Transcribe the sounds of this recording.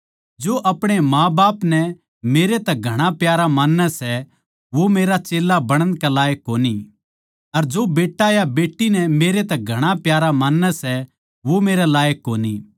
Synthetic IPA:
d͡ʒoːʔɐpɽ̃emãːbaːpnɛ | meːɾet̪ɛɡʱɐɽ̃apjaːɾamaːnːɛsɛ | ʋomeːɾat͡ʃeːlːabɐɽ̃ə̃nkɛlaːjəkːoːni | ɐɾd͡ʒoːbeːʈːajabeːʈːinɛmeːɾet̪ɛɡʱɐɽ̃apjaːɾamaːnːɛsɛ | ʋomeːɾɛlaːjəkːoːni

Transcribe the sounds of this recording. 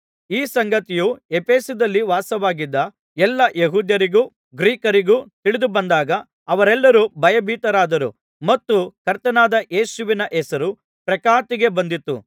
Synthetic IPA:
iːsɐŋɡɐt̪ijuepʰeːsud̪ɐlːiʋaːsɐʋaːɡid̪ːɐ | ɛlːɐjeɦuːd̪jɐɾiɡuː | ɡɾiːkɐɾiɡuːt̪iɭid̪ubɐnd̪aːɡɐː | ʋɐɾɛlːɐɾubʱɐjɐbʱiːt̪ɐɾaːd̪ɐɾu | mɐt̪ːukɐɾt̪ɐnaːd̪ɐʔe̞ːsuʋinɐʔɛsɐɾu | pɾɐkaːt̪iɡe̞bɐnd̪it̪ːṵ

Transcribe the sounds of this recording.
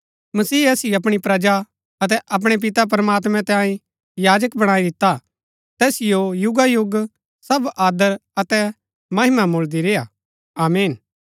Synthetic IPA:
mɐsiːɐsiɐp̬ɽ̃ipɾɐd͡ʒa | ɐt̪̬ɛʔɐp̬ɽ̃ep̬ɪt̪ap̬ɾɐmaːt̪̬mɛ̃t̪ãːĩ | jaːd͡ʒəkbɐɽ̃aːid̪ɪt̪ːa | t̪ɛːsɪjojʊɡajʊɡ | sɐbaːd̪əɾɐt̪ɛ | mɐɦɪmamold̪iɾeja | aːmiːn

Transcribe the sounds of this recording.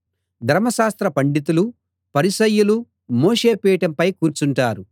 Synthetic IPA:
d̪ʱɐɾmɐʃaːst̪ɾɐpɐɳɖit̪̬ulu | pɐɾiʃɐjːulu | moːʂe̞ːpɛːɐʈɐmpɐjkuːɾt͡ʃuɳʈaːɾu

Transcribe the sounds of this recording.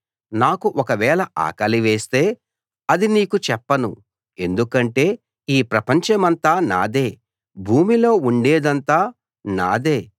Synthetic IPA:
naːkuʔɔkɐʋɛːɭɐʔa̰ːkɐliʋeːst̪e̞ː | ɐd̪iniːkut͡ʃɛpːɐnṵ | e̞nd̪ukɐɳʈe̞ː | iːpɾɐpɐɲt͡ʃɐmɐnt̪aːna̰ːd̪e̞ː | bʱuːmilo̞ːuɳɖeːd̪ɐnt̪aː | naːd̪e̞ː

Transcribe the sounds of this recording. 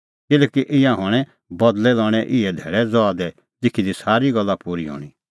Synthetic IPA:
kɪlɛːkiʔɪ̃jãɦɔɽ̃ɛ | bɐd̪lɛlɔːɽ̃ɛʔɪɛd̪ʱḛːɭɛd͡zɔad̪ɛ | d͡zɪkʰid̪isaːɾiɡɐlːapuːɾiɦɔ̰ːɽ̃i

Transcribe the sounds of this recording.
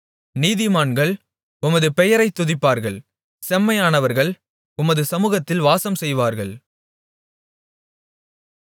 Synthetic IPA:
niːðɪmaːnɡɐɭ | ʊmɐðɯpɛjɐɾɐɪt̪ːʊðɪpːaːɾɣɐɭ | sɛmːɐjaːnɐʋɐɾɣɐɭ | ʊmɐðɯsɐmuːɣɐt̪ːɪlʋaːsɐmsɛjʋaːɾɣɐɭ

